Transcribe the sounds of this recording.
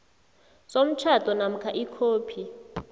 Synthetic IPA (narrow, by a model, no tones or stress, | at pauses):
som̩t͡ʃʰatʼɔnam̩kʰaʔikʰoːpʰi